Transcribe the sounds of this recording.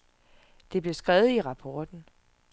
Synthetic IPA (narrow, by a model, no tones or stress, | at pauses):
d̥e̝b̥le̝sɡ̥ʁɛːʊð̩ˠiʁɑ̈pʰɒːd̥n̩